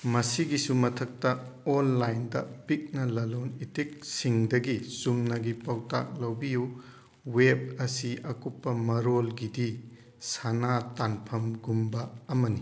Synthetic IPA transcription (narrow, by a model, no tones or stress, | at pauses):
mɐsiɡisumɐtʰɐk̚tɐonlajndɐ̰pik̚nɐlɐlonitik̚siŋdɐɡisumnɐɡipɐwta̰k̚lɐwbiju | web̚ɐsiʔɐkupːɐmɐɾolɡidi | sanatanpʰɐmɡumbɐːmɐni